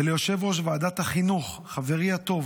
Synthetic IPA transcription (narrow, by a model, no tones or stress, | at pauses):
elejo̞ʃe̞vʁo̞ʃ̬vaad̪at̪haχinuχ | χave̞ʁiat̪o̞v